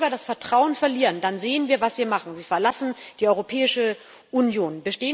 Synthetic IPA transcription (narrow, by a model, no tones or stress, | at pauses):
bɐdasfɛɐtʁ̥aʊənfɛɐliːʁəndanzeːənviːɐvasv̥iːɐmaχn̩ziːfɛɐlasn̩d̥iːʔɔʏʁopʰɛːɪʃə | ʔunjoːnbəʃteːə